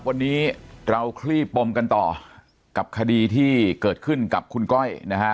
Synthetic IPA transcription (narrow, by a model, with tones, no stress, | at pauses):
wa˧nːiː˦˥ɾa˧wkʰliː˥˩pːo˧mka˧nt̪ɔː˨˩ | ka˨˩p̚kʰa˧diː˧t̪ʰiː˥˩kɤː˨˩t̪̚kʰɯ˥˩nka˨˩p̚kʰu˧nkɔ˥˩jna˦˥kʰa˦˥